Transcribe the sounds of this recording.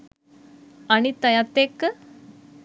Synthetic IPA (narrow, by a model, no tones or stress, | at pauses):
añit̪ɐjat̪ekː